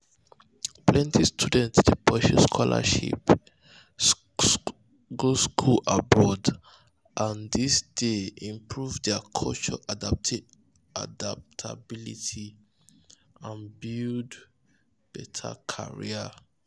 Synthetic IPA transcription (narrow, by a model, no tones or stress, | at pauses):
plɛ̃ntʰistʰudɛ̃ntsdəpʰɛʃuskʰɔla̰ʃḭp | ɡoskʰulabɔd | ʔãndisd̥eĩmpʰɹuvdɛkʰɔlt͡ʃɔʔadat | a̰dap̚tʰabilitʰi | ãnbild | b̥ɛtʰa̰kʰa̰ɹḭə